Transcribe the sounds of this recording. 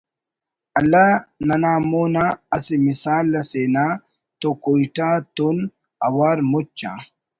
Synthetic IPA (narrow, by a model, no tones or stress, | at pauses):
ɐlːanɐnaːmoːnaɐsimisaːlːɐseːna | t̪okojʈat̪un | ɐ̰waɾmut͡ʃːa̰